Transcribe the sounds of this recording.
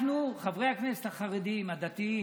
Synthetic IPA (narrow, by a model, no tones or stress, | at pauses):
nuχavʁehakneset̪aχaʁed̪imad̪at̪i